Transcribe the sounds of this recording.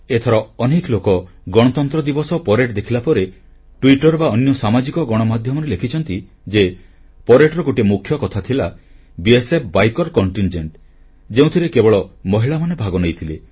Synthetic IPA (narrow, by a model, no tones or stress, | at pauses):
et̪ʰɔɾɔɔneklokɔ | ɡɔɽ̃ɔt̪ɔnt̪ɾɔd̪ibɔsɔpɔɾeʈd̪ekʰilapɔɾe | ʈwiʈɔɾbaɔnjɔsamad͡ʒikɔɡɔɽ̃ɔmad̪ʱjɔmɔɾelekʰit͡ʃʰɔnt̪i | d͡ʒe | pɔɾeʈɾɔɡoʈimukʰːjɔkɔt̪ʰat̪ʰila | biesep̚ʰbajkɔɾkɔɳʈind͡ʒeɳʈ | d͡ʒeũt̪ʰiɾekebɔɭɔmɔɦiɭamanebʱaɡɔnejt̪ʰile